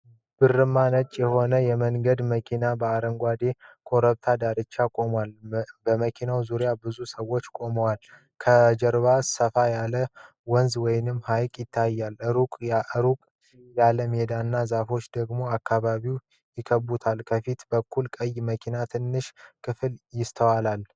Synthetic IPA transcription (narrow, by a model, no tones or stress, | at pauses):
b̥ɨrːɨmːanət͡ʃʼːjɛho̞nəjɛməŋɡəd̪məkʰinabəaɾəŋɡʷad̪e̞kʰo̞ɾəβt̪ʰad̪aɾɨt͡ʃːakʼo̞mwalbəməkʰinawzuɾjabɨzusəwo̞t͡ʃːkʼo̞məwal | kʰəd͡ʒɛɾβasəfajalə | wənzwɔjnɨmːhajkʼjɪt̪ʰːajːalɨɾukʼɾukʼ | jaləmed̪anːazafo̞t͡ʃːd̪əɡmo̞akːaβaβiw | jɪkʰəbːut̪ʰalkʰəfit̪bəkʰːulkʼəjməkʰinat̪ʰɨnːɨʃkʰɨfɨljɪst̪ʰəwalal